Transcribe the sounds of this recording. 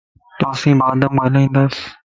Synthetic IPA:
t̪ʊaːsĩːbaːd̪əmɡaːlʋĩːnd̪aːs

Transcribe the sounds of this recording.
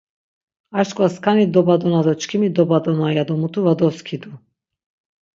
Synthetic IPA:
aʃt̪kʼaskʰanid̪ɔbad̪ɔnad̪ɔt͡ʃʰkʰimid̪ɔbad̪ɔnajad̪ɔmut̪ʰuvad̪ɔskʰid̪u

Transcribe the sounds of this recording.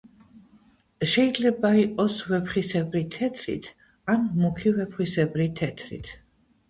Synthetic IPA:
ʃɛid̪zlɛbaiqʼɔsvɛpʰχisɛbɾit̪ʰɛt̪ʰɾḭt̪ʰ | anmukʰivɛpʰχwisɛbɾit̪ʰɛt̪ʰɾḭt̪ʰ

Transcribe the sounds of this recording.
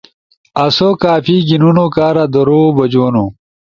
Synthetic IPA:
ɐsokaːfiːɡinunokaːɾad̪oɾoːbɐd͡ʑoːnu

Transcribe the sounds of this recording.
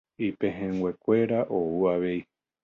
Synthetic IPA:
ipẽɦẽŋɡwʷe̞kʷe̞ɾaʔouaʋe̞i

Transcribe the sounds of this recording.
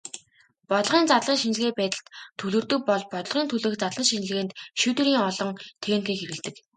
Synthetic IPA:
pɔt̪ɮʁiːnt͡sat̪ɮʁiːŋʃinɮɣeːpæːt̪ə̆ɬt̪ʰːɵɮɵ̆rt̪ɵ̆k̚pɔɮpɔt̪̆ɮʁiːnt̪ʰɵɮɘ̆xt͡sat̪ɮʁə̆nʃin̆ɮɣeːnt̪ʃut̪ɘ̆ɾiːŋɔɮɞ̆ŋt̪ʰeːŋxiːkxeɾɣɘ̆ɮt̪ɘ̆k

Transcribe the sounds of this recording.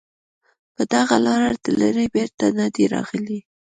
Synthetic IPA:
pəd̪aɣalɑɾad̪əlaɾebeɾt̪anɑd̪iɾɑ̰ɣəli

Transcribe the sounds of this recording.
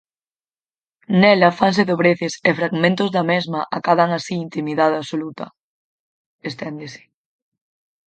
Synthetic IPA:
nɛlɐfansɪðoβɾeθɪsefɾaɣmẽnt̪ʊzðɐmezmɐʔakaðaŋasiːnt̪imiðaðaβsolut̪ɐ̰ | est̪ɛnd̪esɪ̥

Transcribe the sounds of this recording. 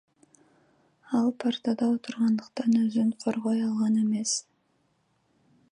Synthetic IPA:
ɑlˠpʰart̪ɑd̪ɑwot̪əɾʁɑnd̪əqt̪ɑnɵzɪɴqʰoɾʁojɑlˠʁɑne̞me̞s

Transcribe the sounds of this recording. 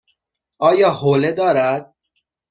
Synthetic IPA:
ɒːjɒːholed̪ɒːɾæd̪̥̚

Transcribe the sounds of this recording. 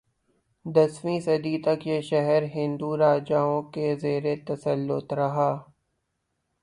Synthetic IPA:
d̪ɐswĩsɐd̪it̪ɐkjeʃɛɦɛɾɦɪ̃nd̪uɾaːd͡ʒaːõkezeːɾet̪ɐsəlːʊt̪ɾɐɦaː

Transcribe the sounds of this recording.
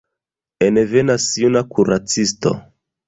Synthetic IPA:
enevenasiunakuɾat͡sisto̰

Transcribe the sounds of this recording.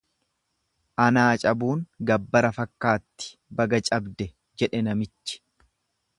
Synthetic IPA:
ʔɐnaːt͡ʃʼɐbuːŋɡɐbːɐɾɐfɐkːaːt̪ːɪ̥bɐɡɐt͡ʃʼɐbd̪ɛ | d͡ʒɛᶑɛnɐmɪt͡ʃːɪ̥

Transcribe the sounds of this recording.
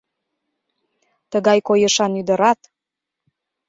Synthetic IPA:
t̪əɣɑjkojə̆ʃɑnyd̪ə̆ɾɑt̪

